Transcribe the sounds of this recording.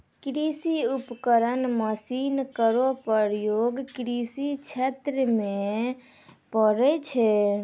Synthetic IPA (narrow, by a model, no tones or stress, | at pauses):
kɾisiupkəɾənməsinkəɾopəɾjoɡkɾisit͡ʃʰet̪ɾəme | pəɾɛt͡ʃʰɛ